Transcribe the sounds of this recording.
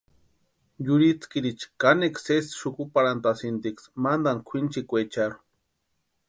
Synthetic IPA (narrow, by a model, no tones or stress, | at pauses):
juɾit͡skiɾit͡ʃkaneksesʃukupaɾant̪asind̪iksmand̪aŋkʷʰwint͡ʃikʷet͡ʃaɾu